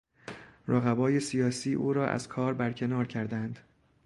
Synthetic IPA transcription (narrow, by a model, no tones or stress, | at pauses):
ɾʔoɣæbɒːje̞sijɒːsiːʔuːɾɒːʔæ̰z̥kʰɒːɾbæɾcʰe̞nɒːɾcʰæɾd̪ænd̪̥